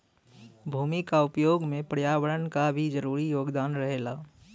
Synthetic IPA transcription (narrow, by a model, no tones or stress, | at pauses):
bʱuːmikaʊpjoːɡmẽpɾjaːwəɾənkabʱid͡ʒəɾuːɾijoːɡd̪aːnɾəɦeːlaː